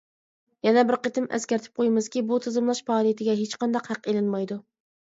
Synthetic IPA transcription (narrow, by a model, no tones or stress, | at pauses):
jɛnɛbɪɾqət̪ʰɪmɛ̰skʲæɾt̪ʰɪ̥p̚qʰojmɨz̥kʲibut̪ʰɨzɨmlˠɑʃpɑːlˠijt̪ʰɪɡʲɛɦet͡ʃqɑnd̪ɑqhæqelɪnmɑjd̪u